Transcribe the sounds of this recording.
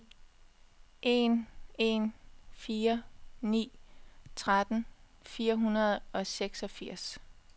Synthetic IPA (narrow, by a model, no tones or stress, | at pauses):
ʔe̝ne̝nfiːɐnḭːt͡sʰʁad̥n̩ | fiːɐɦunɐð̞̩ˠɒ̽seɡ̥sɒ̽fiɐ̰s